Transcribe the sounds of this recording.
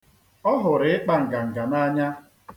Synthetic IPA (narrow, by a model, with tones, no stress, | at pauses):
ɔ˦ɦʊ˨ɾɪ˨˦ɪ˦k͡pa˦ŋ̩˨ɡa˨ŋ̩˨ɡa˨na˦ɲa˦